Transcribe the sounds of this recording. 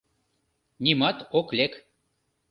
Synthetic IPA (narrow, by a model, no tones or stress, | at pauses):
nʲimɑt̪oklʲek